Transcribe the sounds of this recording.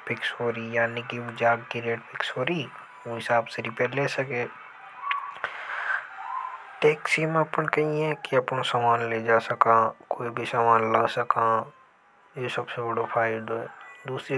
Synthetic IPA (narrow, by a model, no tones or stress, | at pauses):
pɪksoːɾijaːnikiʋũd͡ʒaːɡkiɾeːʈpʰɪksoːɾi | õɦɪsaːbseɾɪpeːɾleːsɐkẽː | ʈeːksimẽɐpənkɐɦĩɛ̃kiɐpnosamaːnleːd͡ʒaːsɐkakoːibʱisaːmaːnlaːsɐkãː | jeːsɐbsebəɽopʰaːɪɖoɛ̰d̪uːsɾi